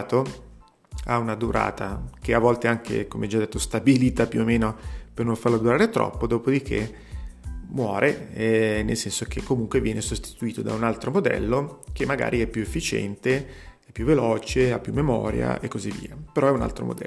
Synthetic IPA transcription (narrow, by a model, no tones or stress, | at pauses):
t̪o | a̰unad̪uɾʔa̰ːt̪ak̟eavːɔlt̪eaŋkʰḛkomeɛd͡ʒad̪ːet̪ːost̪abiliːt̪apjuomeːnopernoɱfarlod̪uɾaːɾet̪ɾʔɔ̰pːod̪oːpod̪ik̟ʰe | mwɔːɾʔe | nelsɛnsok̟ekːomuŋkwevjɛːnesost̪i̥t̪uiːt̪od̪a̰unalt̪ɾomod̪ɛ̰lːok̟emːaɡa̰ːɾʔiɛpːjuefːit͡ʃɛ̰nt̪eɛpːjuvːelɔːt͡ʃeapːjumːemɔ̰ːɾja̰ʔekːozivːḭːapeɾɔɛuna̰lt̪ɾo̰mo̰d̪ɛ̰